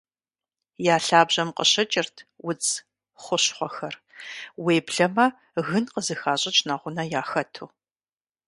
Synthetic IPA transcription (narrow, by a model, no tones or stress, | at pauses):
jaːɬaːbʑɐmqəɕɐt͡ʃʼɪrtʰwʊt͡s | χʷʊɕχʷɔxɐr | weːbɮɐmɐ | ɣɨnqəzɨxaːɕʼɐt͡ʃʰʼnaʁʷʊnɐjaːxɐtʰuː